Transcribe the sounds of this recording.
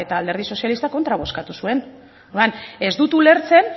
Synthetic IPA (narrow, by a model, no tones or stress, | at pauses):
e̞t̪aːld̪e̞ɾðiso̞sjalist̪ako̞nt̪ɾaβ̞o̞skat̪usue̞n | ðane̞zd̪ut̪ule̞ɾt͡se̞n